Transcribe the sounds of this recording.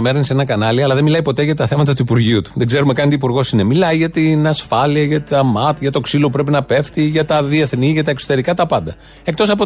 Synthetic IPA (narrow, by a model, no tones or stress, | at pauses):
meɾnisenɐkɐnɐliɐlɐðemilɐipo̞t̪e̞ʝɐt̪ɐθe̞mɐt̪ɐt̪uipuɾʝiut̪u̥ðe̞ɡze̞ɾumekɐnt̪iːpuɾɣo̞sinemilɐiʝɐt̪inɐsfɐliɐʝɐt̪ɐmɐt̪ʝɐt̪o̞ksiloupɾe̞pinɐpe̞ft̪iʝɐt̪ɐðie̞θniʝɐt̪ɐe̞kso̞̥t̪e̞ɾikɐt̪ɐpɐnd̪ɐ | e̞k̚t̪o̞sɐpo